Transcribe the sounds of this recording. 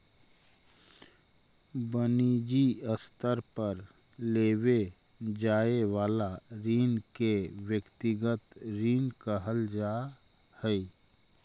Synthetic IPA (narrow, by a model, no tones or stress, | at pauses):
bəniːd͡ʒiəst̪əɾpəɾ | leːwe | d͡ʒaːewaːlaɾiːnkewjəkt̪ɪɡət̪ɾiːnkəɦəld͡ʒaː | hɛi